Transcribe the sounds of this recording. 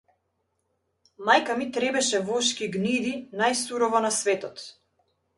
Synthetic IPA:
majkamit̪ɾɛbɛʃɛvɔʃkiɡnid̪inajsuɾɔvɔnasvɛt̪ɔt̪

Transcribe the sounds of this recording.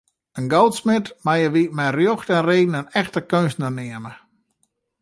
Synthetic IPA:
ənɡowtsmɪtmajəʋimɛjrjoxtɛnreːɡn̩ənɛxtəkønsnənɪəmə

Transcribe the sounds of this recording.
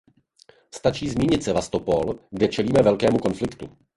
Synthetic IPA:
st̪at͡ʃiːzmiːɲɪt̪sɛvast̪o̞po̞lɡdɛt͡ʃɛliːmɛvɛlkɛːmuko̞nflɪkt̪ṵ

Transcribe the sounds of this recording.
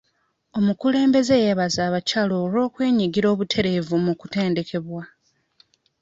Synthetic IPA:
o̞mukule̞ːmbe̞ze̞jeβazaːβacalo̞ːɾo̞ːkwe̞ːɲiɡiɾo̞ːβutʰe̞ɾe̞vumuku̥te̞ːnde̞ke̞βwa

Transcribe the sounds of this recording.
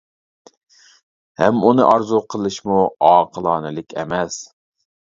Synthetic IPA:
hɛ̰munɨ̰ʔɑɾzuqʰəlˠɨʃmuɑːqʰəlˠɑːnɨlɪkʲʰɛ̰mɛs

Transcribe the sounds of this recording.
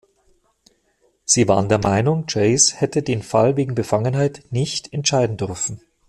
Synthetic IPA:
z̥iːva̰ːʁəndeːɐmaɪnʊŋd͡ʒeɪshɛtədeːnfalveːɡŋ̩bəfaŋənɦaɪtnɪçtɛntʃaɪdn̩dʏʁfn̩

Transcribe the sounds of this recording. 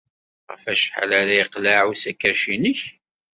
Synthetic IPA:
ʁə̰fæʃħa̰laɾaiqlaʕusækːæʃinəç

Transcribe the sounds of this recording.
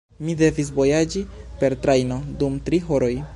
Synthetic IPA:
mide̞vis̬vo̞jad͡ʒipe̞ɾtɾajno̞dumtɾiɦo̞ɾo̞j

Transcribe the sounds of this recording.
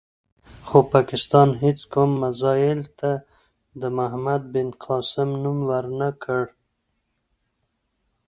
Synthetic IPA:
xopɑkɪst̪ɑnɦet͡skumːazɑjɪlt̪a | d̪əmaɦmad̪̚bɪnqʰɑsɪmnumwəɾnakʰəɽ

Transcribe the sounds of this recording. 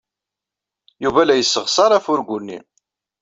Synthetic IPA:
juvælæjəsːəʁsɑɾˤæfʊɾɡʷʊnːḭ

